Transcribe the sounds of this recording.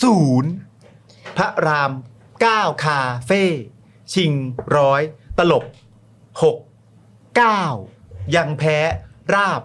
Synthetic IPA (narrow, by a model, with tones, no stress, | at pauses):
suː˩˦n | pʰa˦˥ʔɾaː˧m | kaː˥˩wkʰaː˧feː˥˩ | t͡ɕʰi˧ŋɾɔː˦˥jt̪a˧lo˨˩p̚ | ho˨˩k̚ː | aː˥˩wja˧ŋpʰɛː˦˥ɾaː˥˩p̚